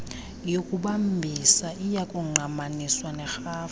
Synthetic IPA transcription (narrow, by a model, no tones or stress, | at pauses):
jokʼuɓambʱisaʔijakʼuŋ͡ǃʱamaniswanɛxaː